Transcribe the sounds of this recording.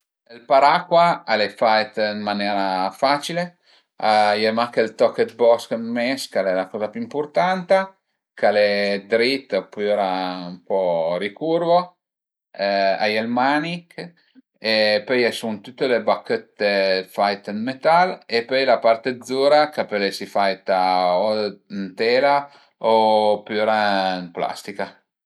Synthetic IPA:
lpaɾakwaalefajt̪inmanjɛːɾafat͡ʃile | ajɛmakelt̪ɔkːet̪bɔsknmɛskalɛlakɔːzapuimport̪ant̪a | kaled̪ɾit̪ːpɔjɛɾaumpɔɾikurvo | a̰jelmanik | epøjɛjsunt̪ut̪ːelebakːət̪ːefajt̪ənmet̪alepøjlapart̪ed̪zːuːɾakapɛlesifajt̪aont̪ɛːla | opøɾanpla̰st̪ika

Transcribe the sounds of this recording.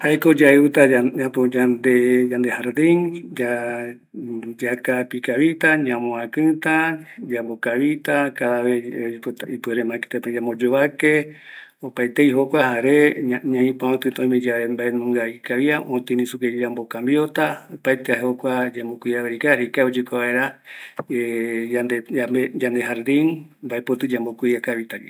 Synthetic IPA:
haekod͡ʒaeut̪aaapod͡ʒand̪ed͡ʒand̪ehaɾd̪iŋd͡ʒa | d͡ʒakapikaβit̪aɲãmõakɨ̃t̪ad͡ʒambokaβit̪akaðaβept̪aipɨeɾemãke̥t̪eped͡ʒamod͡ʒoβakeopajt̪ejɦokʷahaɾeaɲãĩpãõt̪ɨt̪õj̃mẽd͡ʒaembaenũŋɡaikaβiaʔõt̪ĩnĩsuked͡ʒambokãmbjot̪aopajt̪eaɦehokʷad͡ʒambokʷiaβeɾikaɾikaod͡ʒɨkoβaeɾaeand̪eaed͡ʒand̪eɦaɾd̪ĩnmbaepot̪ɨd͡ʒambokʷiakaβit̪aɡḭ

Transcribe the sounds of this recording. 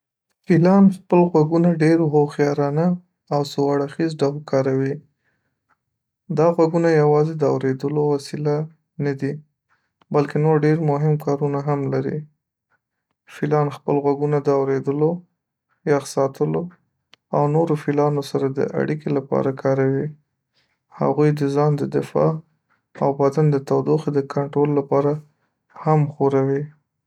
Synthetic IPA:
filɑnxpəlɣwaɡunaɖeɾɦoxjɑɾɑna | awsowaɽaxizɖawlkɑɾawi | d̪ɑɣwaɡunajawɑzed̪əawɾed̪əlowasila | nad̪i | balkenoɾɖeɾmʊɦɪmkɑɾunaɦamlaɾḭ | filɑnxpəlɣwaɡunad̪əawɾed̪əlo | jɑxsɑt̪ʰəlo | awnoɾofilɑnosaɾad̪ə̰ʔa̰ɽikelapɑ̰ɾakʰɑɾawi | ha̰ɣujd̪əzɑnd̪əd̪ɪfɑ̰ | awbad̪and̪ət̪awd̪oxd̪əkʰaɳʈɾolːapɑɾa | hamxoɾawi

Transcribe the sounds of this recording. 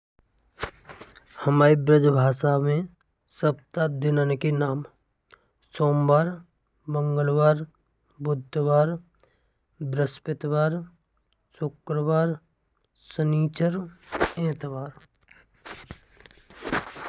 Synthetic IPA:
həmaːɾibɾəd͡ʒbʱaːʃamẽ | səbt̪ad̪ɪnənkenaːm | soːmbaːɾ | bə̃ŋɡəlʋaːɾ | bʊd̪ʱːʋaːɾ | bɾəspɪt̪ʋaːɾ | sʊkɾəʋaːɾ | səniːt͡ʃəɾẽːt̪ʋaːɾ

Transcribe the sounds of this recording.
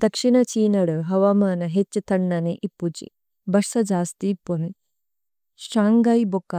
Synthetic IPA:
d̪ɐkʂiɳɐt͡ʃiːnɐɽuɦɐʋamaːnɐɦet͡ʃːɐt̪ɐɳːɐniʔipːut͡ʃḭ | bɐʂɐd͡ʒaːst̪ipːoni | ʃaːŋɡajbokːɐ

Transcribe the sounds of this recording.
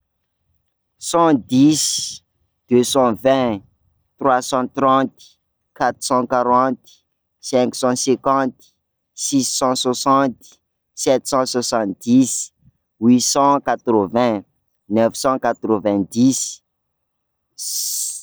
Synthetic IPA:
sɑ̃d̪is | d̪̥øsɑ̃vɛ̃ | t̪rwasɑ̃t̪ɾɑ̃t̪ | kat̪ɾsɑ̃kaɾɑ̃t̪ | sɛ̃ksɑ̃sɛ̃kɑ̃t̪ | sisːɑ̃swasɑ̃t̪ | sɛt̪sɑ̃swasɑ̃t̪̚d̪is | wisɑ̃kat̪ɾəvɛ̃ | nɛfsɑ̃kat̪ɾəvɛ̃d̪is

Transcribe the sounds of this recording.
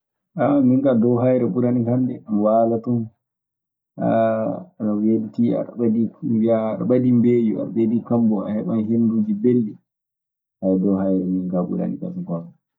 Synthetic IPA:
ʔamiŋkadɔwɦajɾɛɓuɾanikandɛmwaːlatun | a̰aɗaweditia̰ɗaɓadiaɗaɓadimbeːjua̰ɗaɓedikambɔa̰hɛɓanhendud͡ʒibelɗɛ | hajdɔhajɾɛmiŋkaɓṵɾa̰nḭka̰sɔkɔn

